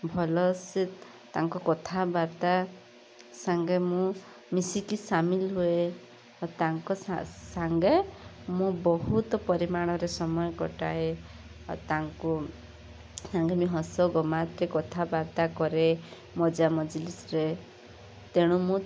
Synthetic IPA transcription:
bʱɔlɔsit̪ | t̪aŋkɔkɔt̪ʰabaɾt̪a | saŋɡemũ | misikisamilɦue | t̪aŋkɔsaŋɡemũbɔɦut̪ɔpɔɾimaɽ̃ɔɾesɔmɔjɔkɔʈae | t̪aŋku | saŋɡemiɦɔsɔɡɔmat̪ɾekɔt̪ʰabaɾt̪akɔɾe | mɔd͡ʒamɔd͡ʒlisɾe | t̪eɽ̃umũ

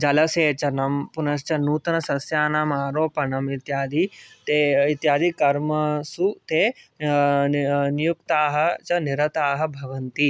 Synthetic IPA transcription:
d͡ʒɐlɐseːt͡ʃɐnɐmpunɐst͡ʃɐnuːt̪ɐnɐsɐsjaːnaːmaːɾoːpɐnɐmit̪jaːd̪it̪eit̪jaːd̪ikɐɾmɐsut̪eː | nijukt̪aːɦɐ̆t͡ʃɐniɾɐt̪aːɦɐ̆bʱɐʋɐnt̪i

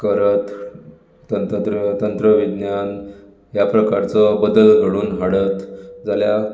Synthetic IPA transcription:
kəɾət̪ː | ənt̪t̪ɾət̪ənt̪ɾəʋid̪njan | ɦjapɾəkaɾt͡sɔbəd̪əlɡʱəɽuːnɦaɽət̪d͡zalja

